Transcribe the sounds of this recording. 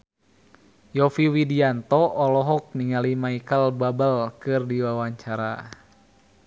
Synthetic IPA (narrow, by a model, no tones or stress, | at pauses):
jɔfiwidiant̪ɔʔːlɔɦɔk̚niŋalimaikəlbabəlkɨrdiwawaɲt͡ʃaɾa̰